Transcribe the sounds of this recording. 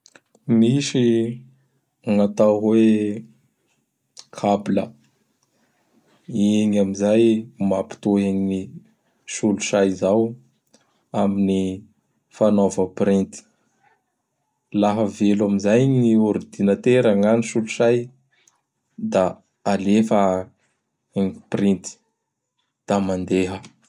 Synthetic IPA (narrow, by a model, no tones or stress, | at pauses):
misi | aŋat̪aɦwe | kʰablə̰ | iŋamizajmapi̥t̪oeɲini | ʃuluʃajzaw | amini | fanovəpɾint̪i̥ | laɦəvelamizajɲioɾid̪inət̪eɾaŋaniʃuluʃaj | d̪aː | lefa | iŋprint̪i̥ | d̪̥amand̪eɦə